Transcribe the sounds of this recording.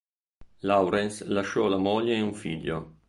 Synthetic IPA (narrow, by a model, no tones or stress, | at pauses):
lawɾɛnslaʃːɔlamoʎːeːuɱfḭʎːo̰